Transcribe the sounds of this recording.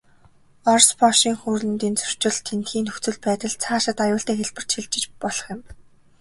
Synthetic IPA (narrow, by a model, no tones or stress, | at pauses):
ɔrspɔʃiːŋxuːrɮɘ̆nt̪iːnt͡sɵr̥t͡ɕɪ̆ɮt̪ʰːent̪xiːnɵkt͡sɵ̆ɮpæːt̪ə̆ɮt͡sʰaːʃɪ̆t̪ajʊːɬt̪eːxeɮpɘ̆r̥t͡ɕxiɮt͡ɕɪ̆t͡ɕpɔɮɞ̥̆χjɪ̆m